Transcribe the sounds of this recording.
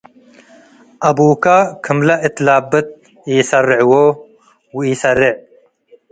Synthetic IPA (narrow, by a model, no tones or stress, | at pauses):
ʔɐbuːkakʰɨmlɐʔɪt̪laːbɨt̪̚ | iːsɐrɪʕwoː | wiːsɐrɪʕ